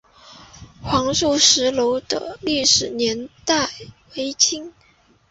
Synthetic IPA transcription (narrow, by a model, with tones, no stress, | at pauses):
xwɑ˧˥ŋʂu˥˩ʂɻ̩˧˥lo˧˥ʊd̪ə̰˧li˥˩ʂɻ̩˨˩njɛ˧˥nt̪a˥˩ɪwe˧˥ɪt͡ɕʰi˥ŋ